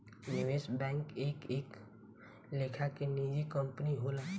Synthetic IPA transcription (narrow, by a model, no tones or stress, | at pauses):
nɪʋeːsbɛ̃ːŋkeːkeːk | leːkʰakeniːd͡ʒikə̃mpniɦoːlaː